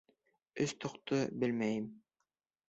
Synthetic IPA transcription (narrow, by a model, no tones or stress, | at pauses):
ɵst̪ŏqt̪obɘlmæjɘm